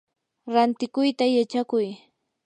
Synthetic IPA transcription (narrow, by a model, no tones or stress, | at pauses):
ɾant̪ɪkʊjt̪ajat͡ʃakʊj